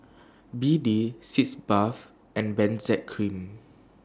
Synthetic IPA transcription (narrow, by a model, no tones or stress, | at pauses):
bidisitsbaf | ʔɛ̃nbɛ̃nsɛt̚kʰɹĩm